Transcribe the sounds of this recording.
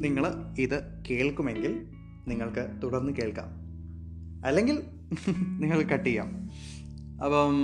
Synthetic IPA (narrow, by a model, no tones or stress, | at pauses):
niŋːɐɭiðɨ | ke̞ːɭkume̞ŋɡil | niŋːɐɭkɨt̪uɽɐrnːɨke̞ːɭka̰ːm | ɐlːe̞ŋɡil | niŋːɐɭkɐʈːijːa̰ːm | ɐpːoː